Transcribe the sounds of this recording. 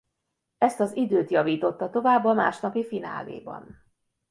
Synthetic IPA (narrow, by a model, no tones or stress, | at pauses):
ɛst̪ɒzid̪øːt̪jɒviːt̪o̞t̪ːɒt̪o̞vaːbːɒma̰ːʃnɒpifina̰ːlḛːbɒ̰n